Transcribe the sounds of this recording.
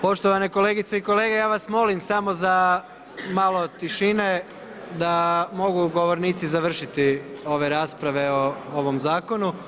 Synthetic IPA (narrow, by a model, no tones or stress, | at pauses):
po̞ʃt̪oʋane̞ko̞le̞ːɡit̪seiko̞leːɡe̞jaːʋasmo̞limsamo̞za | maːlˠo̞t̪iʃine̞ | d̪amo̞ɡuɡo̞ʋo̞ɾniːt̪sizaʋr̩ʃit̪io̞ʋe̞ɾaːspɾaʋe̞ooʋo̞mzaːko̞nu